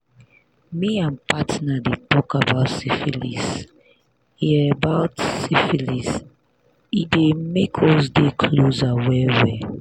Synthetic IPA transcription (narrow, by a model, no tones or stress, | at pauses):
miãnpatnadetɔkabaʊtsifilis | hiabaʊtsifilis | idemekʰɔsdekʰlozawɛwɛ